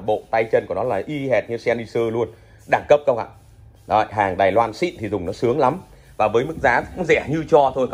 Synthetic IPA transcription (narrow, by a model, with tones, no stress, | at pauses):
ɓo̰˧˨t̪a˧jt͡ɕə˧nku˧˩nɔ˨˦laː˨˩ʔi˧ɦɛ˨˩t̚ɲɨ˧sɛ˧ni˧səː˧lu˧ən | ɗaː˧˩ŋkə˦˥p̚kə˧wŋ͡mʔa̰ː˧˨ | ɗjɦaː˨˩ŋɗaː˨˩jlwaː˧nsḭ˧˨nt̪ʰi˨˩zʊ˨˩ŋ͡mnɔ˨˦sɨ˨˦əŋla˨˦m | vaː˨˩vəː˨˦jmɨ˦˥k̚zaː˨˦kʊ̰˧˥ŋ͡mzɛ˧˩ɲɨ˧t͡ɕɔ˧t̪ʰo˧j